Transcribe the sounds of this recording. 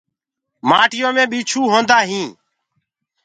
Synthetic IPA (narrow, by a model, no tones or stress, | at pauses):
maːʈɪjõːmẽːɓiːt͡ʃʰuːɦõːnd̪aːɦĩː